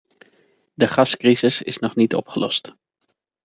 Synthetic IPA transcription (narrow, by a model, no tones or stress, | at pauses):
dəχɑskrizɪsɪ̰snɔχnitɔ̰pχəlɔ̰st